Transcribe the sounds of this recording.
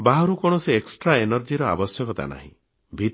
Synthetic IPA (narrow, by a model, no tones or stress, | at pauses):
baɦɔɾukɔɽ̃ɔseːksʈɾaenɔɾd͡ʒiɾɔa̰bɔsjɔkɔt̪a̰na̰ɦĩ | bʱit̪